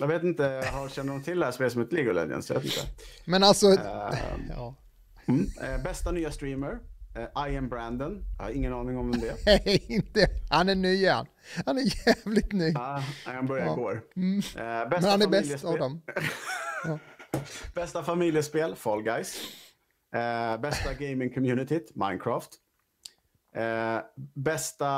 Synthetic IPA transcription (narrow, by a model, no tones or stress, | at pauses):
jɑːɡveːt̪ɪnt̪əhaɕɛnd̪əd̪ɔmt̪ʰɪld̪ɛhæspeːlsɔmhɛt̪əleːɡʊlɛ̰d̪jə̰nsjvḛt̪ɪ̰nt̪ə̰mɛnalt̪sɔ | ɑː | mbɛst̪anyːast̪ɾiːməɾʔajəmbɾænd̪ənjɑ̰ha̰ɾɪŋːənɑːnɪŋɔmd̪ɛɪnt̪əhanæɳyːɛ̰nː | hanæjævlɪt̪nyːhanbœɾjaɪɡoːɾm̩bɛmɛhanæbɛlsavd̪ɔm | ɑː | b̥ɛst̪afamɪljəspeːlfɔlɡajs | bɛst̪aɡeɪmɪŋkʰɔmjʉːnɪt̪ɪma̰ɪnkʰɾaːft̪ | bɛst̪a